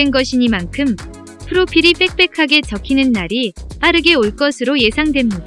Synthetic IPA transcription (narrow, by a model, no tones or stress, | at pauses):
enɡʌɕʰiɲimankʰɯm | pʰɯɾopʰiɾip͈e̞k̚p͈e̞kʰaɡe̞t͡ɕʌkʰinɯnːaɾip͈aɾɯɡe̞oɭk͈ʌsʰɯɾoje̞sʰaŋdwe̞mɲida